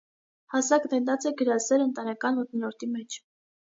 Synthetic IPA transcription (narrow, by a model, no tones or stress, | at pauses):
hɑsɑkd̪ɛnt̪ɑt͡sɛɡəɾɑsɛɾənt̪ɑnɛkɑnmət̪nnɔɾt̪imɛt͡ʃʰ